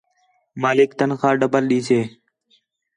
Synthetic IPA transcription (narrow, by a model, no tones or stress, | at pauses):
maːlɪkt̪ənkʰãːɖəbəlɗiːsʰeː